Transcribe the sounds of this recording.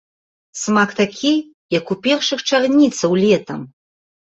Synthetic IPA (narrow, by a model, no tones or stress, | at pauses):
smakt̪akʲʰi | jakupʲɛrʂɨxʈ͡ʂʰɐrnʲit̪t͡s̪ʰɐwlʲet̪ʰɐm